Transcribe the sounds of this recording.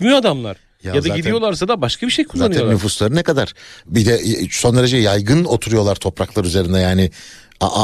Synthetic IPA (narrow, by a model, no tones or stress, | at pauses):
myjoad̪amlˠa̰ɾ̥ | jaaaɟid̪ijo̞lˠaɾsad̪abaʃkʰabiʃejkʰuzanɯj̪ɛnnyfuslˠaɾɯnɛkad̪aɾ̥bid̪ɛso̞nd̪ɾed͡ʒɛjajɡɯno̞t̪ʰuɾujo̞lˠaɾt̪ʰo̞pɾaklˠaɾyze̞ɾind̪ɛjaːnɪ | a̰ʔ